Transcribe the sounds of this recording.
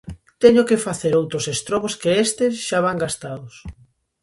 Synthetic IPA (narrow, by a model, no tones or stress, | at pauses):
t̪ɛɲʊkefaθeɾowt̪ɾʊsest̪ɾɔβoskeest̪ɪsʃaβ̞aŋɡast̪aðʊs